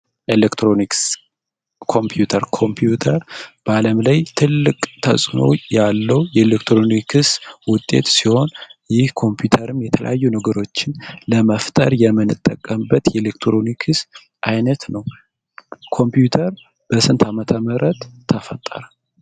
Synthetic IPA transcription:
ʔelekt̪ɾo̞niks | kʰo̞mpʰjut̪ʰəɾkʰo̞mpʰjut̪ʰəɾb̥aləmlajt̪ʰɨlːɨkʼt̪ʰə̰sʼno̞̰jalːəwjɛelekt̪ɾo̞nikʰɨswʊt̪ʼːe̞̰t̪siho̞njɪhkʰo̞mpjut̪ʰəɾɨmjɛt̪ʰələ̰jajːunəɡəɾo̞t͡ʃːɪnləməft̪ʼə̰ɾjɛmːɨnɨt̪ʼːəkʼːəmbət̪jɛlekt̪ɾo̞nikʰɨs | ʔajnət̪nəw | kʰo̞mpjut̪ʰəɾ | b̥əsɨnt̪ʰamət̪ʰəməɾət̪ʰːəfət̪ʼːə̰ɾa

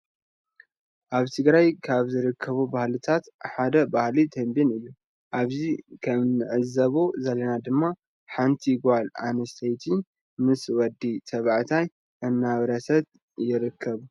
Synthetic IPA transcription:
ʔaβt̪ʰɨɡɾajkʰaβzɨɾɨkʰːɐβubahlɨt̪ʰat̪ħad̪ɐbahlid̪ʰɐmbinɨjːu | ʔaβzikʰɐmnɨʕɨzːɐβozɐlɐnad̪ɨmːa | ħant̪ʰiɡʷala̰nɐst̪ʰɐjt̪ʰi | mɨswɔd̪ːit̪ʰɐβaʕt̪ʰaj | ʔɨnːaβɾɐsɐt̪ | jɪɾɨkʰːɐβ

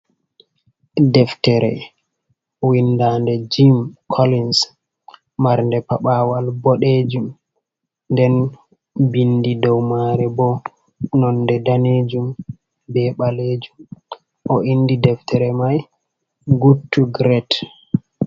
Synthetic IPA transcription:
dɛftɛɾɛ̰ | windandɛd͡ʒimkʰolins | maɾndɛpaɓaːwalbɔɗed͡ʒum | ndɛn | bindidɔwmaɾɛbɔ | nɔnːdɛdaned͡ʒum | bɛɓaled͡ʒum | ʔɔʔindidɛftʰɛɾɛmaj | ɡutːuɡɾɛt

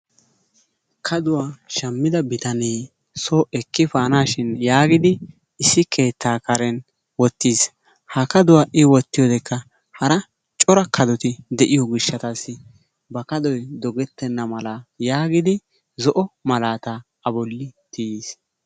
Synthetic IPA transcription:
kʰɐd̪ʊwaːʃɐmːɪd̪ɐbɪt̪ɐneː | soːʔɛkːɪfaːnaːʃɪnjaːɡɪd̪ɪː | sːɪkʰe̞ːt̪ːaːkɐɾɛn | wɔt̪ːiːs | hɐkɐd̪ʊwaːʔɪwɔt̪ːɪjɔd̪ɛkʰːɐ | hɐɾɐ | t͡ʃʼɔɾɐkʰɐd̪ɔt̪ɪd̪ɛʔɪjɔɡɪʃːɐt̪asːɪ | bɐkɐd̪ɔjd̪ɔɡɛt̪ːɛnːɐmɐlajaːɡɪd̪ɪ | zɔʔɔmɐlaːt̪aː | bɔlːɪt̪ɪjiːs

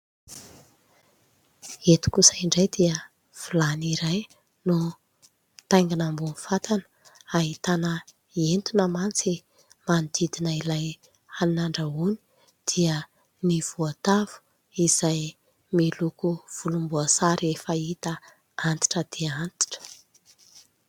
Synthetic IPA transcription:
et̪u̥kusəiɳɖ͡ʐajd̪iə | v̥ulaniɾaj | nu | t̪ajŋɡanambunfat̪anə̥ | aɦit̪anə | ent̪unəmant͡si | mand̪id̪inəilaj | annaɳɖ͡ʐauni̥ | d̪̥iə | niv̥uat̪av̥u̥ | iz̥aj | milukuv̥ulumbuasaɾefəit̪ə | ant̪i̥ʈ͡ʂəd̪̥iəant̪i̥ʈ͡ʂə̥

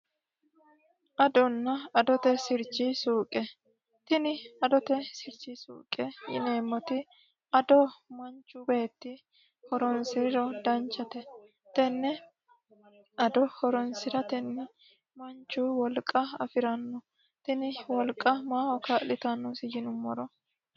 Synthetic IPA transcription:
ʔɐd̪ɔnːɐɐd̪ɔt̪ɛsɪɾt͡ʃːɪsuːkʼɛ | t̪ɪnɪɐd̪ɔt̪ɛsɪɾt͡ʃisṵːkʼːɛjɪ̰ne̞ːmːɔt̪ɪ | ɐd̪ɔmɐnt͡ʃːʊbeːt̪ːɪ | hɔɾɔnsɪɾɪɾɔd̪ɐnt͡ʃːɐt̪ɛ | t̪ɛnːɛ | ɐd̪ɔhɔɾɔnsɪɾɐt̪ɛnːɛ | mɐnt͡ʃːʊwɔlkʼːɐɐfɪɾɐnːɔ | t̪ɪnɪwɔlkʼːɐmaːhɔkaːlɪt̪ɐnːusɪjɪnʊmːɔɾɔ

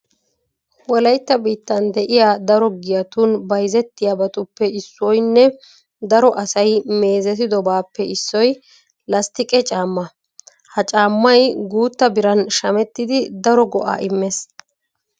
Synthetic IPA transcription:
wɔlɐjt̪ːɐbiːt̪ːɐnd̪ɛʔɪjaːd̪ɐɾɔɡɪjɐt̪unbɐjzɛt̪ːɪjabɐt̪ʊpːɛɪsːɔjnːɛ | d̪ɐɾɔʔɐsɐjme̞ːzɛt̪ɪd̪ɔbaːpːɛɪsːɔj | lɐst̪ɪkʼɛt͡ʃʼaːmːɐ | hɐt͡ʃʼaːmːɐjɡuːt̪ːɐbɪɾɐnʃɐmɛt̪ːɪd̪ɪd̪ɐɾɔɡɔʔa̰ːʔɪmːɛs

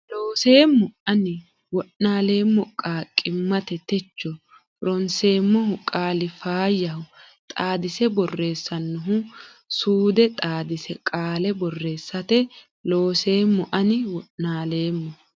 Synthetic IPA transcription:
loːse̞ːmːʊɐnɪ | wɔʔnaːle̞ːmːɔkʼaːkʼːɪmːɐt̪ɛt̪ɛt͡ʃːɔ | ɾɔnseːmːɔhʊkʼaːlɪfaːjːɐhʊ | t̪ʼaːd̪ɪsɛbɔrːe̞ːsːɐnːʊɦʊ | suːd̪ɛt̪ʼaːd̪ɪsɛkʼaːlɛbɔrːe̞ːsːɐt̪ɛ | lo̞ːse̞ːmːɔʔɐnɪwɔʔnaːle̞ːmːɔ

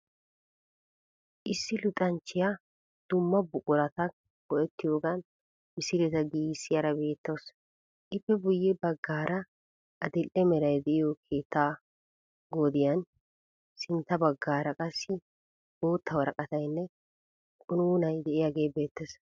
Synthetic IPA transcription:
ʔɪsːɪlʊt̪ʼɐnt͡ʃːɪja | d̪̥ʊmːɐbʊkʼʊɾɐt̪ɐ | ɡɔʔɛt̪ːɪjoːɡɐn | mɪsɪɾɛt̪ɐɡiːsːɪjɐɾɐbe̞ːt̪ːos | ʔɪpːɛbʊjːɛbɐɡːaːɾɐ | ʔɐd̪ɪlːɛmɛɾɐjd̪ɛʔɪjɔkʰeːt̪ːaː | ɡod̪ɪjɐn | sɪnt̪ːɐbɐɡːaːɾɐkʼɐsːɪ | boːt̪ʰːɐwɐɾɐkʼɐt̪ɐjnːɛ | kʼʊnuːnɐjd̪ɛʔɪjaɡe̞ːbe̞ːt̪ːes

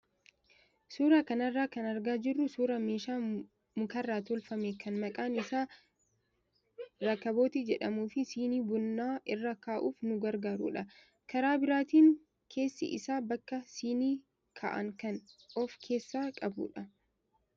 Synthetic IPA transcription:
suːɾakɐnɐrːaːkɐnɐɾɡaːd͡ʒɪrːʊsuːɾɐme̞ːʃaː | mʊkɐrːaːt̪ɔlfɐmekɐnmɐkʼaːnɪsaː | ɾɐkːɐbo̞ːt̪id͡ʒɛᶑɐmuːfɪsiːniːbʊnːaːʔɪrːɐkaːʔuːfnʊɡɐɾɡaːɾṵːᶑɐ | kɐɾaːbɪɾaːt̪iːŋ | kʰe̞ːsːɪ̰ʔɪ̰saːbɐkːɐsiːniː | kʰɐ̰ʔɐ̰ŋkɐnɔfkʰe̞ːsːaːkʼɐbṵːᶑɐ

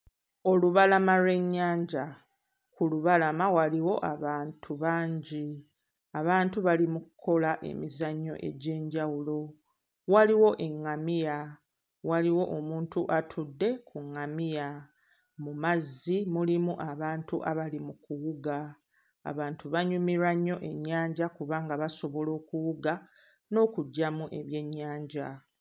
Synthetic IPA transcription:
o̞luβalamaɾwe̞ɲːaːɲɟa | kuluβalamawaliwo̞ʔaβaːntʰuβaːɲɟi | aβaːntuβalimuku̥kʰo̞laʔe̞̰mizaɲːo̞̰ʔe̞̰ɟe̞ːɲɟawulo̞ | waliwo̞ʔe̞ŋːamija | waliwo̞ʔomuːntuʔatʰudːe̞kʰuŋːamija | mumazːimulimuʔaβaːntuʔa̰βalimukuwuɡa̰ː | βaːntuβaɲumiɾaɲːo̞ʔe̞ɲːaːɲɟakuβaːŋɡaβaso̞βo̞lo̞ːkuwuɡa | no̞ːkuɟːamuʔe̞βje̞ɲːaːɲɟa

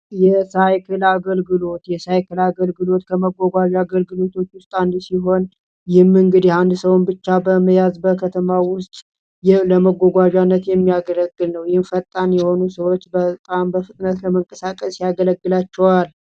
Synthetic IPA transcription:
jɛsajkʰɨlaɡəlɡɨlo̞t̪jɛsajkʰɨlaɡəlɡɨlo̞t̪kʰəməɡʷːoɡʷaʒaɡəlɡɨlo̞t̪ʰo̞t͡ʃːwʊst̪ʼand̪siɦo̞n | jɪhmːɨŋɡɨd̪jɛhand̪səwnbɨt͡ʃːabəməjazbəkʰət̪ʰəmawʊst̪ʼ | jləməɡʷoɡʷaʒanːət̪jɛmːiaɡələɡːɨlnəwjɪhɪnfət̪ʼːanjɛho̞nusəwot͡ʃːbət̪ʼambəfɨt̪ʼnət̪ləməŋkʼəsakʼəsjaɡələɡːɨlat͡ʃːɛwal

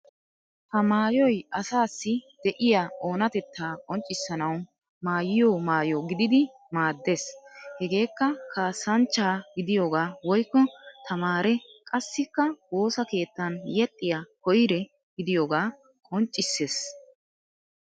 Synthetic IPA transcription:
hɐmaːjɔjɐsaːsːɪd̪̥ɛʔɪjaːoːnɐt̪ɛt̪ːaːkʼɔnt͡ʃʼːɪsːɐnɐw | maːjɪjoːmaːjoɡɪd̪ɪd̪ɪ | maːd̪ːe̞ːshɛɡe̞ːkːɐkʰaːsɐnt͡ʃːaːɡɪd̪ɪjoːɡaːwɔjkːɔt̪ʰɐmaːɾɛkʼɐsːɪkːɐwo̞ːsɐke̞ːt̪ːɐnjɛt̪ʼːɪjakɔjɪɾɛ | ɡɪd̪ɪjoːɡaː | kʼɔnt͡ʃʼːɪsːe̞ːs

